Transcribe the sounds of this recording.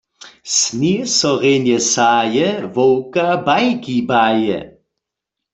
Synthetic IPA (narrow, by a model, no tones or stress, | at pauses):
snisɔʁeːnjɛsaːjɛvɔwkabajkibaːjɛ̰